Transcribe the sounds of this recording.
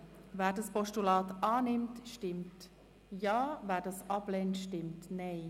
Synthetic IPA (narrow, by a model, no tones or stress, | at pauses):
vɛːɾdɑspɔʃtulaːtaːnɪmtʃtɪmt | jɑːvɛːɾdɑsʔɑblɛntʃtɪmtnɛɪ